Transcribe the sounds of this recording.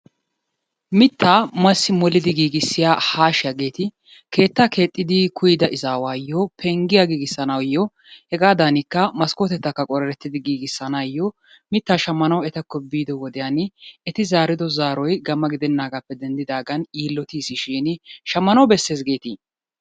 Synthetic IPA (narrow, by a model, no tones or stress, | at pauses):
mɪt̪ʰːaːmɐsːɪmɔlɪd̪ɪɡiːɡɪsːɪjaːhaːʃɪjɐɡe̞ːt̪ɪ | ke̞ːt̪ːakʰe̞ːt̪ʼːɪd̪ɪkʰʊjɪd̪ɐɪzaːwaːjːɔpʰɛŋɡɪjaɡiːɡɪsːɐnɐwjːɔ | hɛɡaːd̪anɪkːɐmɐskoːt̪ɛt̪ːɐkːɐkʼɔɾɛɾɛt̪ːɪd̪ɪɡiːɡɪsːɐnajːɔ | mɪt̪ːaːʃɐmːɐnɐwɛt̪ɐkːɔbiːd̪ɔwɔd̪ɛjanɪɛt̪ɪzaːɾɪd̪ɔzaːɾɔjɡɐmːɐɡɪd̪ɛnːaːɡɐpːɛd̪ɛnd̪ɪd̪aːɡɐniːlːɔt̪iːsɪʃiːnʃɐmːɐnɐwbɛsːe̞ːsɡe̞ːt̪iː